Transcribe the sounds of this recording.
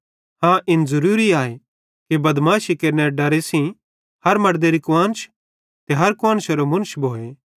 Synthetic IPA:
hãʔɪnzɐɾuːɾiaːe | kibɐd̪maːʃikeːɾneɾɖɐɾesĩ | hɐɾmɐɽd̪eɾikʊʋãːnt͡ʃ | t̪eɦɐɾkʊãːnʃɐɾomʊ̃nʃbʱoːeː

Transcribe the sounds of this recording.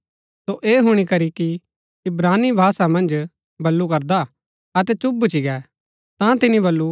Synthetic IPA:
soʔeːɦʊɽ̃ikɐɾiki | ɪbɾaːnːibʱaːsamɐ̃nd͡ʒ | bɐlːukɐɾd̪a | ɐt̪ɛt͡ʃʊbt͡ʃiɡɛː | t̪ãt̪ɪnibɐlːu

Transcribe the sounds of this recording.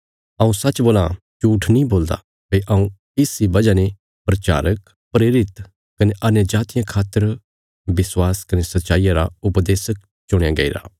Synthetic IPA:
ɐũsɐtːt͡ʃːboːla | t͡ʃuːʈʰnĩboːld̪a̰ | pɐiʔɐ̃ũ | ɪsibɐd͡ʒane | pɾɐt͡ʃa̰ːɾək | pɾeːɾɪt̪ | kɐneʔɐnjəd͡ʒaːt̪ɪjãkʰaːt̪ːəɾ | bɪswaːskɐnesɐt̪ːʃaːijãɾa̰ʊpd̪eːsək̚ | t͡ʃʊɽ̃eaɡḛḭɾa̰ː

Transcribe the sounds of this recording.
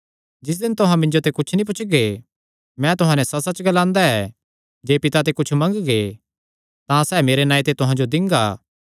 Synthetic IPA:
d͡ʒɪs̬d̪ɪ̃nt̪ʊɦãmɪ̃ɲd͡ʒot̪ekʊt͡ʃʰnĩp̬ʊt͡ʃʰɡe | mɛ̃t̪ʊɦãːnɛ̃sɐsɐt͡ʃɡɐlãːnd̪aɛ | d͡ʒeːpɪt̪at̪̬ekʊt͡ʃʰmɐ̃ŋɡɡe | t̪ãsɛːmeːɾenaːit̪et̪ʊɦãd͡ʒod̪ɪ̃ŋɡaː

